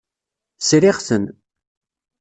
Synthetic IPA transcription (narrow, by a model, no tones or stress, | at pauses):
sɾɪʁθən